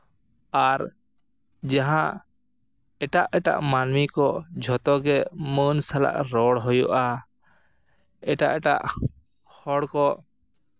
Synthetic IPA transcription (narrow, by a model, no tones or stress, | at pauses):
aɾ | d͡ʒaɦã | ɛʈaʔɛʈa̰ʔmanmikɔd͡ʒʱɔt̪ɔɡɛmənsala̰ʔɾɔɽɦɔjɔʔa | ɛʈa̰ʔɛʈa̰ʔ | hɔɽkɔ